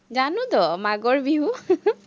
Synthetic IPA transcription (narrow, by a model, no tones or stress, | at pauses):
d͡ʒanud̪ɔmaɡɔɹbiɦu